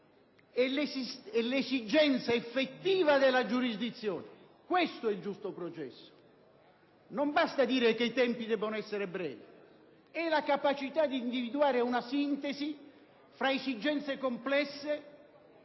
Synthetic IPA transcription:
ɛlesisɛlesid͡ʒɛnt̪saefːet̪ːiːvad̪elːad͡ʒuɾizd̪it̪sːjɔːne | kwest̪oɛild͡ʒust̪opɾɔt͡ʃɛ̰sːo̥ | nombast̪ad̪iːɾekeit̪ɛmpid̪ɛbːonoɛsːeɾebɾɛ̰ːvi | ɛlakapat͡ʃit̪ad̪iːnd̪ivid̪uaːɾeunasint̪esi | fɾaesid͡ʒɛnt̪sekomplɛsːe

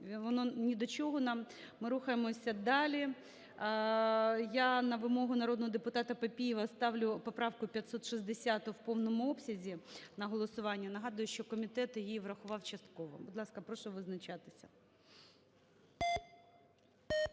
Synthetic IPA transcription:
ʋɔnɔnʲid̪ɔt͡ʃɔɦɔnɑmmɪɾuxɐjemɔsʲɐd̪ɑlʲi | janɐʋɪmɔɦʊnɐɾɔd̪nɔɦɔd̪epʊt̪ɑt̪ɐpɐpʲijɪʋɐst̪ɑwlʲʊpɔpɾɑwkʊpʲjɐt̪sɔt̪ʃizʲd̪esʲat̪ʊwpɔwnɔmʊɔpsʲɐzʲinɐɦɔlˠɔsʊʋɑnʲːɐnɐɦɑd̪ʊjʊʃt͡ʃɔkɔmʲit̪ɛt̪jijiiʋrɐxʊʋɑwt͡ʃɐst̪̚kɔʋɔ̰bʊd̪lˠɑskɐpɾɔʃɔʋɪznɐt͡ʃɑt̪ɪ̥sʲɐ

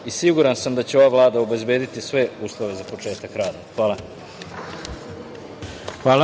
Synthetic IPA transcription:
isiɡuɾansamd̪at͡ɕeo̞ʋavlˠaːd̪aobe̞zbe̞ːd̪it̪isʋe̞uːslˠo̞ʋe̞zapot͡ʂe̞ːt̪akɾaːd̪axʋaːlˠa | xʋaːl

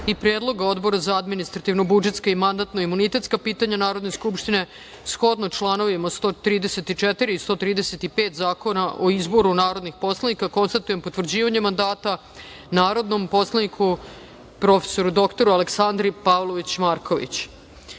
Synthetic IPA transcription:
ipɾeːd̪lˠo̞ɡao̞d̪bo̞ɾazaad̪minist̪ɾat̪iʋno̞bud͡ʒet̪skaimand̪at̪noimunit̪e̞t̪skapiːt̪aɲanaːɾo̞d̪ne̞skupʃt̪ine̞ | sxo̞d̪noʈ͡ʂlˠano̞ʋimast̪oːt̪ɾiːd̪ese̞t̪it͡ʃet̪iɾiist̪o̞ːt̪ɾiːd̪ese̞t̪ipeːt̪zaːko̞naʔoizbo̞ɾunaːɾo̞d̪nixpo̞slˠanikako̞nst̪at̪ujempot̪ʋr̩d͡ʑiːʋaɲemand̪aːt̪a | naːɾo̞d̪no̞mpo̞slenikʰu | pɾo̞fe̥so̞ɾud̪o̞kt̪o̞ɾualeksand̪ɾipaʋlˠoʋit͡ɕmaɾkʰoʋḭt͡ɕ

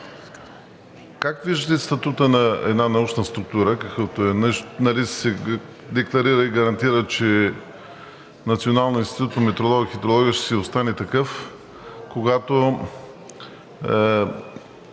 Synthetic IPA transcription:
kakviʒd̪ət̪ɛst̪ɐt̪ut̪ənɐɛ̰d̪nanɐut͡ʃnəst̪ɾuk̚t̪uɾəkɐkət̪oɛnnɐlissɛ | d̪ɛklˠɐɾiɾəiɡɐɾɐnt̪iɾət͡ʃɛ | nɐt̪sionalˠnoinst̪it̪ut̪p̪omɛt̪ɾolˠɔɡxit̪ɾolˠɔɡʲiəʃt̪ɛ̥siost̪anɛt̪ɐkɤf | koɡat̪o

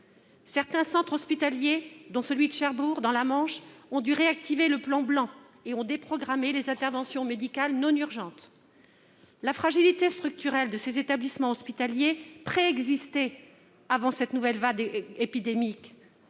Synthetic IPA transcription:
sɛʁt̪ɛ̃sɑ̃t̪χɔspit̪aljed̪ɔ̃səlɥid̪əʃaʁbuʁd̪ɑ̃lamɑ̃ʃɔ̃d̪yʁeak̚t̪ʰiveləplɑ̃blɑ̃ | eɔ̃d̪epχɔɡʁamelezɛ̃t̪ɛʁvɑ̃sjɔ̃med̪ikalnɔ̃nyʁʒɑ̃t̪ | lafχaʒilit̪est̪χyk̚t̪yʁɛld̪əsezet̪ablismɑ̃ɔspit̪aljepχeɛɡzist̪ɛ | avɑ̃sɛt̪nuvɛlvad̪epid̪emik

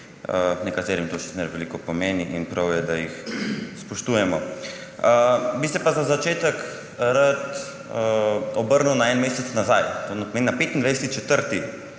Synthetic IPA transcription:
ənɛkat̪eːɾimt̪oʃi̥snɛɾʋɛlikɔpɔmeːniʔinpɾɐwjɛd̪ajixspɔʃt̪ujɛmɔ | əbisɛpazazat͡ʃeːt̪ək | ɾat̪ | əɔbəɾnuwnaɛnmeːsɛt̪snazajt̪onapɔmeːninapeːt̪ind̪ajsɛt̪it͡ʃɛt̪əɾt̪i

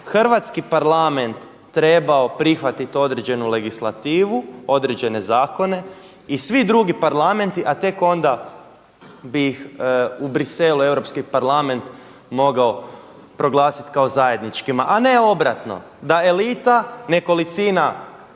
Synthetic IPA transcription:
xr̩ʋat̪skipaɾlame̞nt̪ː | ɾe̞bao̞pɾixʋat̪it̪o̞d̪ɾed͡ʑe̞nule̞ɡislˠat̪iːʋuo̞d̪ɾed͡ʑe̞ne̞zaːko̞ne̞ | isʋid̪ɾuɡipaɾlˠame̞nt̪iʔat̪e̞ko̞nd̪a | bijixubɾise̞lue̞wɾo̞pskipaɾlame̞nt̪ | mo̞ɡao̞ | pɾo̞ɡlˠaːsi̥t̪kao̞zaje̞d̪nit͡ʃkimaʔane̞o̞bɾat̪no̞̰ | d̪ae̞lit̪aneko̞lit̪siːna

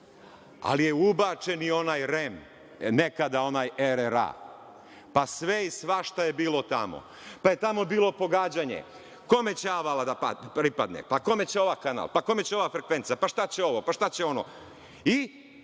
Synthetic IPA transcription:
a̰lijeubat͡ʃe̞nio̞naːjɾem | nekad̪ao̞naːjeɾeɾa̰ | pasʋeisʋaʃt̪ajebiːlˠo̞t̪a̰mo̰ | paje̞t̪amo̞biːlo̞po̞ɡaːd͡ʑaːɲḛ | ko̞me̞t͡ɕaʋalad̪apa̰pɾipad̪nḛpako̞me̞t͡ɕeo̞ʋakana̰lˠpako̞me̞t͡ɕeo̞ʋaːfɾe̞kʋe̞nt̪sapaʃt̪at͡ɕe̞o̞ʋo̞paʃt̪at͡ɕe̞o̞no̞̰ | i

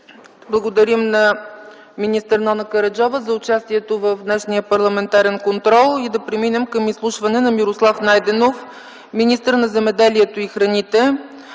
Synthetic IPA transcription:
blˠəɡod̪ɐɾimnɐ | minʲist̪əɾnɔnɐkəɾɐd͡ʒɔvəzɐʊt͡ʃast̪iɛt̪ovəvd̪nɛʃnijəpɐɾlˠɐmɛnt̪aɾɛnkont̪ɾɔlˠid̪ɐpɾɛminɛmkəmislˠuʃvɐnɛnɐmiɾoslˠafnajd̪ɛnof | minist̪əɾnɐzɛmɛd̪ɛliɛt̪oixɾɐnit̪ɛ

